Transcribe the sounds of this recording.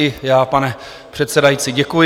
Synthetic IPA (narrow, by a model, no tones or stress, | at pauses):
ɪjaːpanɛ | pr̝̥ɛt̪sɛdajit͡siɟɛkujɪ